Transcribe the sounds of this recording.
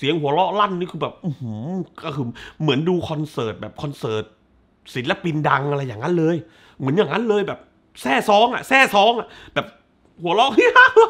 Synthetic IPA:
si˨˩˦əŋhu˩˦əlɔ˦˥ʔla˥˩nːiː˥˩kʰɯː˧bɛː˨˩p̚ʔu˧hu˦kɔ˥˩kʰɯː˧mɯ˩˦ənduː˧kʰɔ˧nsɤː˨˩t̪̚bɛː˨˩p̚kʰɔ˧nsɤː˨˩t̪̚ | si˨˩˦nlɛ˦˥pi˧nda˧ŋʔa˧ɾa˧jːaː˨˩ŋːa˦˥nlɤː˧j | mɯ˩˦ənjaː˨˩ŋːa˦˥nlɤː˧jbɛː˨˩p̚ | sɛː˥˩sɔː˦˥ŋʔa̰˨˩sɛː˥˩sɔː˦˥ŋʔa˨ʔbɛː˨˩p̚ | hu˩˦ɐlɔ˦˥ʔi˥

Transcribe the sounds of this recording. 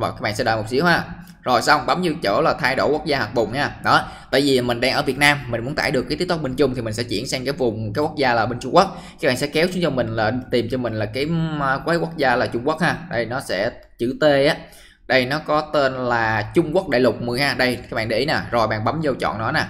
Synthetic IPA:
a̰˧˨˩wkaː˨˦˥ɓa̰ː˧˨sɛ̰˧˥ɔ̰ː˧˨˩mo˨˩k͡p̚sḭ˧˦əwɦaː˧˩ | zo˨˩jsa˧wŋ͡mɓa˨˦mzɨ˧t͡ɕə̰ː˧˩laː˨˩t̪ʰaː˧jɗo˧˩jkwu˦˥ək̚zaː˧ha˨˩k̚ɓʊ˨˩ŋ͡mhaː˧˩ɗɔ˨˦t̪a̰ː˧˨jvi˨˩˨mï˨˩ŋ̟ɗaː˧ŋʔəː˧˩vi˨˩t̚naː˧mːi̟˨˩mu˨˦ənt̪aː˧˩jɗɨ˨˩əkːj̪i˦˥t̪o˥ɓe˧ŋ̟t͡ɕʊ˧ŋ͡mt̪i˨˩m˨˩ŋ̟sɛ̰˧˥t͡ɕḭ˧˩ənsɛ˧ŋkaː˨˦jvʊ˨˩ŋ͡mkaː˨˦jkwu˦˥k̚zaː˧laː˨˩ɓe˧nt͡ɕʊ˧ŋ͡mku˦˥ək̚kaː˦˥kɓa̰ː˧˨ŋsɛ̰˧˥kɛ˨˦wsu˨˦ət͡ɕɔ˧mï˨˩ŋ̟laː˨˩t̪i˨˩mt͡ɕɔ˧mï˨˩ŋ̟laː˨˩kaː˨˦jkwaː˨˦ku˦˥ək̚zaː˧laː˨˩t͡ɕʊ˧ŋ͡mku˦˥k̚haː˧˩ɗə˧jnɔ˨˦sɛ̰˧˥t͡ɕɨ̰˧˩t̪e˧ʔaː˨˦ | ɗə˧jnɔ˨˦kɔ˨˦t̪e˧nlaː˨˩t͡ɕʊ˧ŋ͡mku˦˥ək̚ɗa̰ː˧˨jlʊ˨˩k͡p̚mɨ˨˩jhaː˧˩ɗə˧jkaː˧˦˥ɓa̰ː˧˨ɗe˧i˨˦na˨˩zo˨˩jɓa̰ː˧˨ɓa˨˦mzə˧wt͡ɕɔ̰˧˨nːɔ˨˦naː˨˩

